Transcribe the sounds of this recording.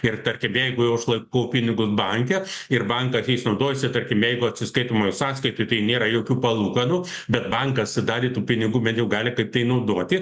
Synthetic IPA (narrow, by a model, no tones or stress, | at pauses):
ɪrt̪ɐrʲkʲɪmjɛɪɡʊjɛʊʊʃlˠɐɪkoʊpʲɪnʲɪɡʊsbɐŋʲkʲɛɪrbɐŋkɐsjɛɪsnɐʊd̪oːjɛsʲɪt̪ɐrʲkʲɪmjɛɪɡʊɐt̪ʲsʲɪskɐɪt̪oːmoːjɪsɑːskɐɪt̪ʊɪt̪ɐɪnʲeːɾɐjoːkʲuːpɐlˠuːkɐnuːbʲɛt̪bɐŋkɐsɪd̪ɑːdʲeːt̪uːpʲɪnʲɪɡuːbʲɛnjɛʊɡɑːlʲɪkɐɪp̚t̪ɐɪnɐʊd̪oːt̪ʲɪ